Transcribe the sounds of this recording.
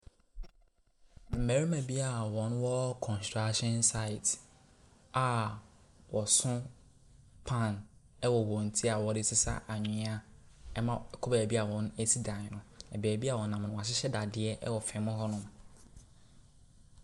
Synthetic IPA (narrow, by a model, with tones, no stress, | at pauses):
m̩˨me˨ɾi˦mæ̃˨bi˦a˨wɔ̃˨nwɔ˦kʰɔ̃˨nstʰɹa˦kɕɛ̃˦nsa˦ɪ˨t | a˨ | wɔ˨sʊ̃˦ | pʰã˦˨n | ɛ˦wɔ˨wɔ̃˨n̩˨tʰi˦a˨wɔ˨dɪ˦sɪ˦sa̰˦ʔa˨ɲʊ̃˨˦a˦ | ɛ˦mã˦˨kʰɔ˦ba˨bi˦a˨wɔ̃˨˦ne˦si˦dã˨ɲ˨nʊ̃˨ɛ˨bæː˨bi˦a˨wɔ˨nã˨m˨nʊ̃˨a˨ɕ̬ɪ˦ɕɛ˦da˨dɪ˨˦ɛ˦ʔɛ˦wɔ˨fɛ̃˨˦mʊ̃˦ɦɔ˦nʊ̃˦m